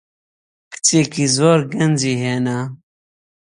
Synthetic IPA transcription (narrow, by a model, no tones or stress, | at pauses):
kɨ̥t͡sekizoːɾɡɐnd͡ʒiːɦena